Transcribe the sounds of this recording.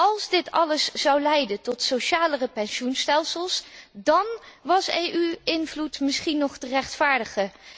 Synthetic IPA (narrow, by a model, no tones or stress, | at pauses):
ɑlˠzdɪtɑləszɑwlɛjdəntɔtsoʃaːlərəpɛnʃunstɛlˠsəlˠsdɑnʋɑsejʔyɪnvlutmɪsχinɔχtərɛχtfaːɹdəχə